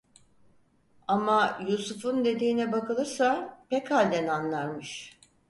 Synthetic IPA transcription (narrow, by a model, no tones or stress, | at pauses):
amajusufund̪e̞d̪iːnɛbakɯlˠɯɾsapɛkhalʲd̪ɛnanlˠaɾmɯʃ